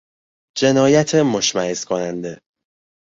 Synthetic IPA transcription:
d͡ʒe̞nɒːjæt̪ʰemoʃmæheskʰonænd̪e̞

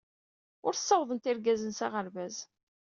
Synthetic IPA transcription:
ʊɾθsːɑwðˤənt̪ɪɾɡæzənsaʁəɾvæz

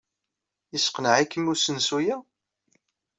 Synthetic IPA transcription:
isə̥qnəʕikːəmːusənsujæ

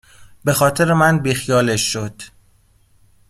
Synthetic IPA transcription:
be̞xɒːt̪ʰe̞ɾemænbiːxijɒːleʃːod̪̥

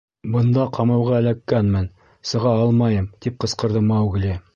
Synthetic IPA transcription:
bɤ̆nd̪ɑqʰɑmɑwʁɑæ̆lækːænmɘn | sɤ̆ʁɑɑlˠmɑjɤmt̪ip̚qɤ̆sqɤ̆ɾðɤmɑwɡlʲɘ

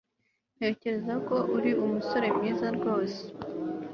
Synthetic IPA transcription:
ne̞ːce̞ɾe̞zako̞ʔuɾiumuso̞ɾe̞mɲiːzaɾɡo̞ːse̥

